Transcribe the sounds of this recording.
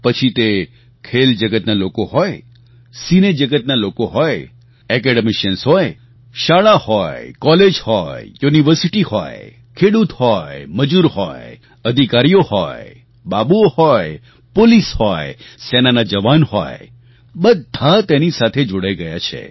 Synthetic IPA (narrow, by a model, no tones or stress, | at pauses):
pət͡ʃʰit̪e | kʰeld͡ʒəɡət̪nalokoɦɔj | sined͡ʒəɡət̪̚nalokoɦɔj | ɛkɛɖəmiʃənsɦɔj | ʃaɭahɔjkɔled͡ʒhɔjjuniʋəɾsiʈihɔ̰j | kʰeɽut̪hɔjməd͡ʒuɾhɔj | əd̪ʱikaɾijohɔj | babuohɔj | polishɔjesenanad͡ʒəʋanhɔ̰j | bəd̪ʱat̪enisat̪ʰed͡ʒoɽajɡəjat͡ʃʰḛ